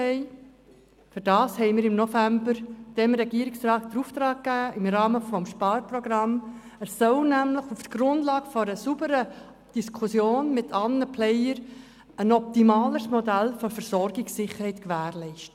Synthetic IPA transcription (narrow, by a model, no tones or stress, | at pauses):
ɛɪ | fʏɾd̥ɑːshɛɪmɪːɾɪmnɔfæmbəɾd̥ɛmɾɛɡiəɾɪksrɑːt̚d̥̪əɾuːft̪ɾɑːkːæːɪmɾɑːməfɔmʃpɑːɾprɔɡɾɑm | əssœlnæmləχuftɡ̥ɾʊnd̥lɑːɡ̥əfɔɾəsubəɾə | d̥iskʰusjoːnmɪtʰɑlnəpʰlɛɪəɾ | ənɔp̚t̪imɑːləsmɔdælfɔɾfəɾsɔɾɡɪksɪχəɾhɛɪtkʋæːɾlɛɪʃtə